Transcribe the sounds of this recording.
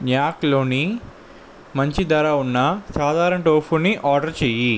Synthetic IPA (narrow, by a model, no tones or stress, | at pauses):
ɲjaːklo̞ːni | mɐɲt͡ʃid̪ɐɾaːunːɐsaːd̪ʱaːɾɐnɐʈoːpʰuːniʔaːɾɖɐɾt͡ʃeːji